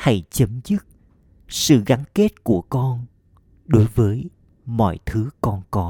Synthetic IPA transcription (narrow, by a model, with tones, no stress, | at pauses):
ha˧˩jt͡ɕə˨˦mzɨ˦˥t̚ | sɨ̰˧˨ɣa˨˦nke˦˥t̚ku˧˩əkɔ˧n | ɗo˨˦jvəː˨˦j | mɔ̰˧˨jt̪ʰɨ˨˦kɔ˧nkɔ˨˦